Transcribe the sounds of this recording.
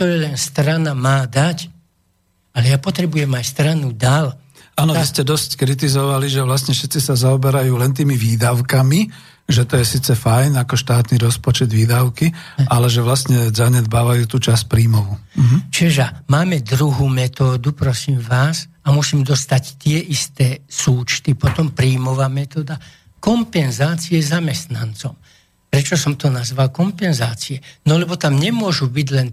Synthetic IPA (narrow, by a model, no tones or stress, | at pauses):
ɔɾɛlɛnst̪ɾanamaːd̪ac | alɛjapɔt̪ɾɛbujɛmajst̪ɾanud̪al | aːnɔʋiscɛd̪ɔsckɾit̪̬izɔʋaliʒɛʋlasɲɛfʃɛt̪t͡sisazaɔbɛɾajuːlɛnt̪̬iːmiʋiːd̪aʊkami | ʒɛt̪ɔjɛsiːt͡sɛfajnakɔʃt̪aːt̪niɾɔspɔt͡ʃɛd̪ʋiːd̪aʊkiʔalɛʒɛʋlast̪ɲɛzaɲɛd̪baːʋajuːt̪uːt͡ʃasc̚pɾiːmɔʋuɦt͡ʃɛʒamaːmɛd̪ɾuɦuːmɛt̪ɔːd̪upɾɔsiːmʋaːs | amusiːmd̪ɔst̪act̪ɪɛʔist̪ɛːsuːt͡ʃt̪ipɔt̪ɔmpɾiːmɔʋaːmɛt̪ɔːd̪a | kɔmpɛnzaːt͡siɛzamɛst̪nant͡sɔm | pɾɛt͡ʃɔsɔmt̪ɔnazʋalkɔmpɛnzaːt͡siɛnɔlɛbɔt̪amɲɛmʊɔʒubiɟlɛn